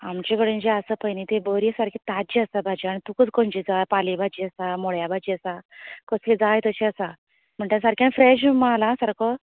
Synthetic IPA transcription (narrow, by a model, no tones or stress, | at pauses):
amt͡ɕekəɽə̃nd͡ʑeəsəpəjnit̪ebəɾisaɾkĩt̪ad͡ʑiəsabʱad͡ʑiaɽ̃it̪ukət͡skə̃nd͡ʑid͡zapalibʱad͡ʑiəsamoɭjabad͡ʑiəsakəsled͡zajt̪əɕeəsa | m̤əɳʈasaɾkianfɾeɕmalasaɾkɔ